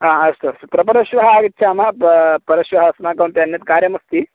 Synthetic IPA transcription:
aːɐst̪oɐst̪pɾɐpɐɾɐʃʋɐɦɐaːɡitːt͡ʃʰaːmɐppɐɾɐʃʋɐɦɐsmaːkɐwnt̪iɐnjɐt̪kaːɾjɐmɐst̪i

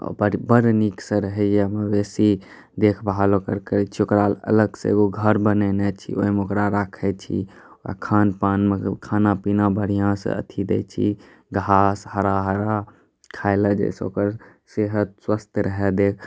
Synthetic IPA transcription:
bəbəɾniksə̃ɾəɦɛjamebesi | d̪ekʰbɦalokəɾkəɾɛt͡ʃʰiokɾalə̰ləɡsḛɡoɡʱəɾbənɛnɛt͡ʃʰḭʔo̰imokɾaɾakʰɛt͡ʃʰḭ | oka̰kʰanpaːnmekʰanapinabəɽ̤ijãsə̰ə̰t̪ʰid̪ḛt͡ʃʰḭ | ɡʱashəɾaɦəɾa | kʰaɪləd͡ʒḛso̰kəɾ | seɦəd̪swəst̪ʰɾəɦɛd̪ekʰ

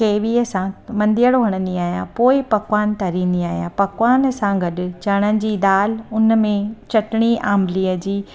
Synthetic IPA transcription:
keːʋiːəsãmɐ̃nd̪ijəɽoɦɐɽ̃ə̃nd̪iaːɦijã̰poːɪpɐkʋaːnt̪ɐɾĩːn̆d̪iaːɦijã̰pɐkʋaːnsãɡɐɗɪ̆t͡ɕɐɽ̃ənɪ̆d͡ʑiːd̪aːlʊn̆mẽt͡ɕɐʈɪɽ̃iʔaːmliːəd͡ʑiː

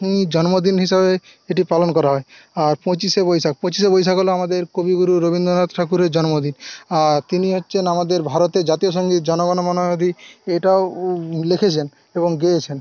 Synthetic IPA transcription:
nid͡ʑɔnmod̪inɦiʃabe | eʈipalonkɔɾaɦɔe | aɾpɔ̃t͡ɕisebojsak̚pɔ̃t͡ɕis̬ebojʃakɦoloamad̪eɾkobiɡuɾuɾobind̪onat̪ʈʰakuɾed͡ʑɔnmod̪inaɾt̪iniɦot̪ːʃʰenamad̪eɾbʱaɾot̪ed͡ʑat̪ijoʃ̬ɔŋɡit̪d͡ʒɔnoɡɔnomɔnod̪ʱiejʈaolekʰet͡ɕʰen | eboŋɡejet͡ɕʰen

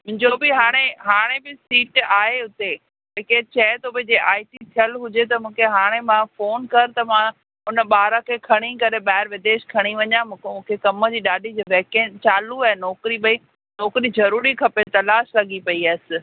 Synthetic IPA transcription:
mʊ̃ɦɪ̃ɲd͡ʑobɪɦaːɽ̃eɦaːɽ̃ebɪsiːʈaːɦeʊt̪e | d͡ʑeket͡ɕɐet̪obɪd͡ʑeːʔaːiʈit̪ʰijəlɦʊd͡ʑet̪ɐmũːkʰeɦaːɽ̃emãfoːnkɐɾt̪ɐmã | ʊnə̆ɓaːɾãkʰeːkʰɐɽ̃ikɐɾeɓaːɪɾʋɪd̪eːʃkʰɐɽ̃iʋɐɲãm̃ːkmũːkʰekɐməd͡ʑiːɗaːɗʱid͡ʑoʋɛːkẽnt͡ɕaːluaːɦɪnɔːkɾiɓɐi | nɔːkɾizɐɾuːɾikʰɐpet̪ɐlaːʃlɐɠipɐiaːɪsɪ̆

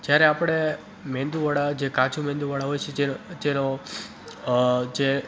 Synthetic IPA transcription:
d͡ʒjaɾeapɽ̃e | mɛ̃nd̪uʋaɽad͡ʒekat͡ʃʰumɛ̃nd̪uʋaɽaɦojt͡ʃʰeed͡ʒeno | d͡ʒe

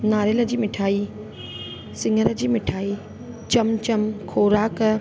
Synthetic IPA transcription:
naɾelɐd͡ʒimitʰaj | siŋɐɾɐd͡ʒimitʰai | t͡ʃɐmt͡ʃɐmkʰoɾak

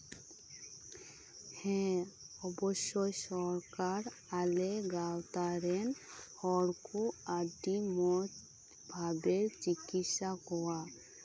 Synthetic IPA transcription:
hɛ̃ɔbɔʃːojsɔɾkaɾ | aleɡawt̪aɾenhɔɽkuadimɔd͡ʒ | bʱabeɾt͡ʃiɡitsakɔwa

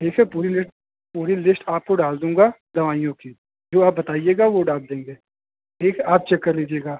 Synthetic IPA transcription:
ʈʰiːkʰɦɛpuːɾilɪsʈ̚ | puːɾilɪsʈaːp̚koɖaːld̪ũːŋɡaːd̪ɐʋaːijõki | d͡ʒoːaːp̚bɐt̪aːieːɡaʋoɖaːld̪ẽːŋɡeː | ʈʰiːkʰɛaːp̚t͡ʃɛkːəɾliːd͡ʒieːɡaː

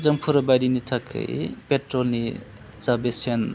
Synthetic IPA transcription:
d͡zɐŋpʰuɾɐbajɾinitʰakʰːɯ̰jpetɾolni | zabesen

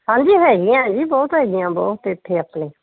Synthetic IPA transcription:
hãːɲd͡ʒiːɦɛːɡɪjãːd͡ʒiːbɔːt̪ɦɛːɡɪjãːbɔ̰ːt̪ɪt̪ʰːeːəpneː

